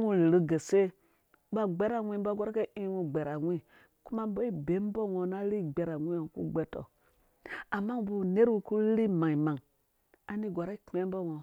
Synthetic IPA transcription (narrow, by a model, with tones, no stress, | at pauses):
u˦˨ɾɨ˨˦ɡe˨se˦ | ba˦ɡ͡be˦ɾa˨wʷi˦ba˦ɡa˦ɾke˦i˦wu˨ɡ͡be˨ɾa˨wʷi˦ | ku˦ma˦bo˦i˦be˨˦m˦bo˦ŋo˨na˦ɾi˦˨ɡ͡be˨ɾa˨wi˦o˨kṵ˦ɡ͡be˦to̰˨ | a˨mːa˦bu˨ne˦ɾwu˦ku˦ɾi˦ma˨ŋi˨ma˨ŋ | a˨ni˦ɡʷa˨ɾa˦i˦k͡pe˦m˦bo˦ŋo˨